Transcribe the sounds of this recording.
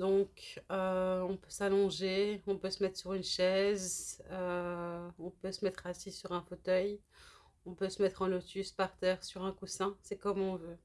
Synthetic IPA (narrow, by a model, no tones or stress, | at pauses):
d̪ɔ̃køɔ̃pøsalɔ̃ʒeɔ̃pøsəmɛt̪χsyʁynʃɛzø | ɔ̃pøsəmɛt̪χasisyʁɛ̃fot̪œj | ɔ̃pøsəmɛt̪χɑ̃lot̪yspaʁt̪ɛːʁsyʁɛ̃kusɛ̃sɛkɔmɔ̃vø